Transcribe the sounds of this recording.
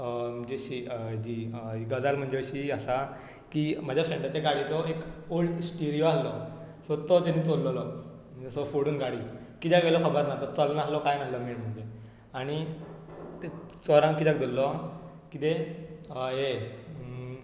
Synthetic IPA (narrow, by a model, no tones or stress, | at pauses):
əd͡ʑeɕid͡ʑiɡəd͡zalm̤əɳd͡zeɕiəsa | kiməd͡ʑʱjafɾeɳʈat͡ɕaɡaɽit͡sɔekolsʈiɾijoaslɔ | sɔt̪ɔt̪anːit͡sollɔlɔm̤əd͡ʑesɔfoɽuːnɡaɽi | kit̪jakʋelɔkʰəbəɾnaɦt̪ɔt͡sɔlnaɦlɔkajnaɦləmeɭm̤əɳd͡ʑe | aɽ̃i | t̪et͡sɔɾãŋkit̪jak̚d̪olːɔ | kit̪e | ɦe